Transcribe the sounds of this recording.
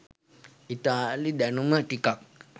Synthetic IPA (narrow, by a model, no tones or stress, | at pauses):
it̪aːlid̪ænuməʈikak̚